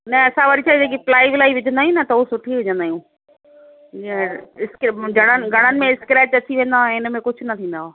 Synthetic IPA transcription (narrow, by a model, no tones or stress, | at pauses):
nɛɐsãʋɐɽit͡ɕʰaːid͡ʑeːk̬iplaːɪʋlaːiʋɪd͡ʑʱə̃nd̪aːɦjĩnɐt̪ɐʊosʊʈʰiʋɪd͡ʑə̃nd̪aːjũː | ɪskd͡ʑʱɐɽ̃ənɪ̆ɡʱɐɽ̃ənɪ̆mẽɪskɾeːʈɐt͡ɕiʋẽːn̆d̪aoɛ̃ɪnmẽkʊd͡ʑʱʊ̆nɐt̪ʰĩːnd̪aɦoː